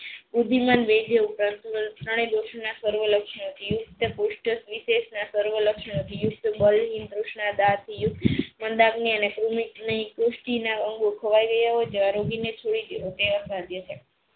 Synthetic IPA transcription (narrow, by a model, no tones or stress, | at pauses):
bud̪ʱːimanʋed͡ʒʱeupɾant̪ut̪ɾəɽ̃ed̪oʃnasəɾʋələkʃnt̪ʰijʊk̚t̪əkuʃʈəsʋiʃeʃnasəɾʋələkʂnəət̪ʰijʊk̚t̪bəlɦink̪ɾuʃɳad̪at̪ʰijuk̪̚mənd̪aɡniənekɾumit̪nikɾuʃʈinaəŋɡokʰəʋajɡəjəɦod͡ʒeʋaɾoɡinet͡ʃʰoɽid̪eɦot̪eʋəɾsãd̪jət͡ʃʰe